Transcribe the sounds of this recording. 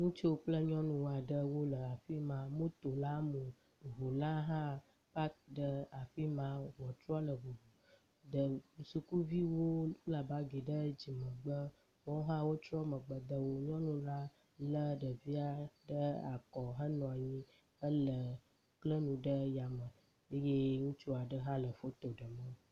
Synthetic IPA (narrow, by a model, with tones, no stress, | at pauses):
ŋũ˦t͡ʃi˦wo˦k͡plə˦ɲɔ̃˦nũ˨wa˨ɖə˦wo˦lə˨a˨fi˦mã˦mõ˦t̪o˨la˦mũ˨ | ɦu˨la˦ɦã˦ | pa˦k̚ɖə˦a˨fi˦mã˦wɔ˨t͡ʃ̪ɾa˦lə˨vu˨vu˨ | ɖə˨su˨ku˦vi˦wo˦la˨ba˦ɡi˨ɖə˦d͡ʑi˨mə̃˨ɡ͡bə˦ | wɔ̃˦ɦã˦wo˦t͡ʃɾɔ˦mə̃˨ɡ͡bə˨d̪ə˨wo˦ɲɔ̃˦nũ˨la˦ | lə˦ɖə˨vi˦a˨ɖə˦a˨kɔ˨ɦə˦nɔ̃˨a˨ɲĩ˦ | ə˦lə˨ | klə˦nũ˨ɖə˦ja˨mə˨ | e˦je˦ŋũ˦t͡ʃu˦a˨ɖə˦ɦã˦lə˨fo˦t̪o˨ɖə˨mə̃˦